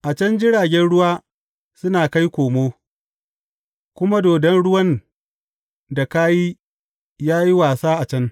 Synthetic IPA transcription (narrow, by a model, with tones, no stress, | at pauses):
ʔa˨t͡ʃɐ˦nd͡ʒɪ˦ɽaː˨ɡʲɛ˦nɽʊ˦waː˦ | sʊ˦naː˨ka˦jkʷoː˨moː˦ | kʷʊ˦ma˦doː˨dɛ˦nɽʊ˦wɐ˦n | da˨kaː˦ji˦ | jaː˦ji˦waː˨saː˦ʔa˨t͡ʃɐ˦n